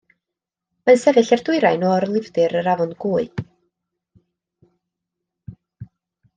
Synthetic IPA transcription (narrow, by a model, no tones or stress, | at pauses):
mansɛvɨɬɛrdʊɨɾajnɔɾlˠɪvdɨɾəɾavɔnɡuːɨ